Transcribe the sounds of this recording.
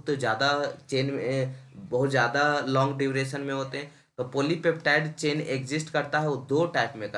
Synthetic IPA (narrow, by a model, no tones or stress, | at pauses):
t̪od͡ʒjaːd̪at͡ʃeːnmẽbɐɦʊt̪zjaːd̪alɔ̃ːŋɡɖɪʋɾeːʃənmẽɦoːt̪eɦɛ̃ | t̪opoːlipeːp̚ʈaːɪɖt͡ʃeːnekd͡ʒɪsʈkɐɾt̪aɦɛod̪oːʈaːɪpmẽkɐ